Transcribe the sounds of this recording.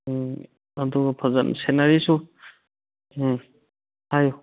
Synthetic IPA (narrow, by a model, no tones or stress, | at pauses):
aduɡapʰazansenaɾisu | haju